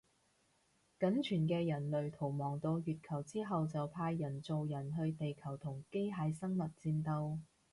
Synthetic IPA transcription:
kɐ˨˥nt͡ʃʰyː˨˩nkɛː˧jɐ˨˩nlɵ˨ɥt̪ʰo˨˩wmɔː˨˩ŋt̪o˧wjyː˨t̚kʰɐ˨˩wt͡siː˥ɦɐ˨wt͡sɐ˨wpʰaː˧jːɐ˨˩nt͡so˨wjɐ˨˩nɦɵ˧ɥt̪e˨jkʰɐ˨˩wt̪ʰʊ˨˩ŋke˥jɦaː˨˧jsɐ˥ŋmɐ˨t̚t͡siː˧nt̪ɐ˧w

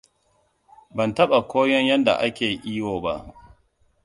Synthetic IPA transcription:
bɐ˨ntɐ˦ɓa˨kʷoː˦jɔ˦ɲjɐ˦nda̰˨ʔa˦kʲeː˨ʔiː˦woː˨ba˦ʔ

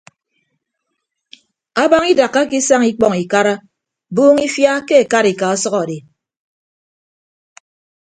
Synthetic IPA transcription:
a˦ba˦ŋi˦da˨kːa˦ki˦sa˦ŋi˦k͡pɔ˨ŋi˨ka˦ɾa˦ | buː˦ŋi˦fja˦ke˦e˨ka˦ɾi˨ka˨ɔ˦sɔ˦ɣɔ˨de˨

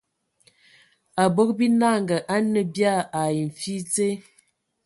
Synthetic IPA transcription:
a˨bo˦k̚bi˦na˦˨ŋɡə˨ʔa˦nə˦bja˦˨a˨ji˨ɱ̩˨fi˦t͡se˦

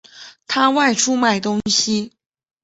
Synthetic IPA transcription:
t̪ʰa˥wa˥˧ɪʈ͡ʂʰu˥ma˨˩ɪt̪ʊ˥ŋɕi˧

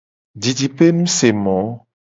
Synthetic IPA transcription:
d͡ʒi˨d͡ʒi˨pe˦mũ˦se˨mɔ̃˨˦

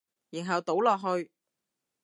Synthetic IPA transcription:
jiː˨˩nɦɐ˨wt̪o˨˥wlɔː˨k̚ɦɵ˧ɥ

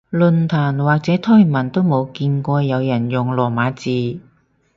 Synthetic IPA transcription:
lɵ˨nt̪ʰaː˨˩nwaː˨k̚t͡sɛː˨˥t̪ʰɔː˥˩jmɐ˨˩nt̪o˥wmo˨˧wkiː˧nkʷɔː˧jɐ˨˧wjɐ˨˩njʊ˨ŋlɔː˨˩maː˨˧t͡siː˨

